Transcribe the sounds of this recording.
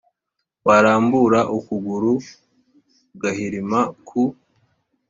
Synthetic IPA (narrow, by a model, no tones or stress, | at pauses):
waɾaːmbuɾaʔukuɡuɾu | ɡahiɾimakʰu